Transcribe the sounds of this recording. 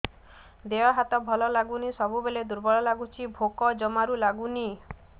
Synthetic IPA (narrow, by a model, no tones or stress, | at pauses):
d̪eɔɦat̪ɔbʱɔlɔlaɡunisɔbubeled̪uɾbɔɭɔlaɡut͡ʃʰibʱokɔd͡ʒɔmaɾulaɡuni